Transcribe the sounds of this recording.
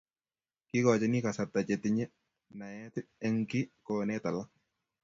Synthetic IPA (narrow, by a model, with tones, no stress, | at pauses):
kɪ˦kɔ˨t͡ʃɛ˦nɪ˦ka˨sa˨t̪ːa˨t͡ʃɛ˨t̪ɪ˦ɲɛ˦ | na˨jɛ˦tɪɛ˦ŋkɪ˦kɔːnɛ˦ta˨la˦